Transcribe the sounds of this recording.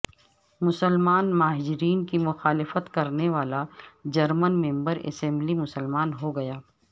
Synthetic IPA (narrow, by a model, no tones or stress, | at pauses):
mʊsəlmaːnmaːd͡ʒɪɾiːnkimʊxaːlɪfət̪kɐɾneʋaːlad͡ʒɐɾmənmɛ̃mbəɾɛ̰sɛ̃mblimʊsəlmaːnɦoɡɐjaː